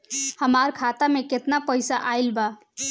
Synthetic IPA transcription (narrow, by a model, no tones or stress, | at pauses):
həmaɾkʰat̪ameket̪napəjsaʔajlba